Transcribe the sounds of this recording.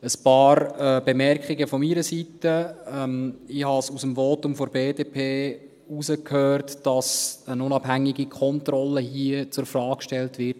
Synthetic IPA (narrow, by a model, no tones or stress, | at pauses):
əspɑːɾbemɛrkχiɡəfɔmiɾəsitəɛmɪhɑsusəmvoːtʊmfɔɾbeːdeːpʰeː | usəkʰhøːrtd̥ɑsənʊnɑb̥ɦæŋːiɡikʰɔntrɔlːəɦiət͡sʊɾfrɑːkkʃtɛltʋɪɾ